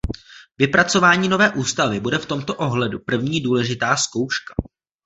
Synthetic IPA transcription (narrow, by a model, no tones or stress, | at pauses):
vɪpɾat͡so̞vaːɲiːno̞vɛːʔuːst̪avɪbudɛft̪o̞mt̪o̞ʔo̞ɦlɛdupr̩vɲiːduːlɛʒɪt̪aːsko̞wʃkḁ